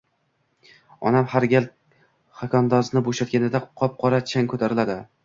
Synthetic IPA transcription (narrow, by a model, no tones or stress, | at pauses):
ɒ̰namhaɾɡʲal | χakʰʲɒnd̪ɒznɪboʃat̪̚ɡʲanɪd̪aqʰɒp̚qʰɒɾat͡ʃʰaŋʲkʰɵt̪ʰaɾɪlad̪ɪ